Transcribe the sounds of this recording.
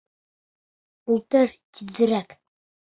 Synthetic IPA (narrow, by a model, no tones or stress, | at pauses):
ulˠt̪ɤɾt̪ʲʰizɘ̆ɾæk